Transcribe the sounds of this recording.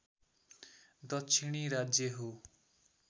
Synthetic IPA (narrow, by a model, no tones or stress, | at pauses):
d̪ʌtːsʰiɽ̃iɾad͡zjʌɦo